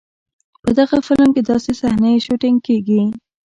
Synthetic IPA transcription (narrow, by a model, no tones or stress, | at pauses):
pəd̪aɣafɪlmked̪ɑsesahnaʃoʈɪŋɡkeɡi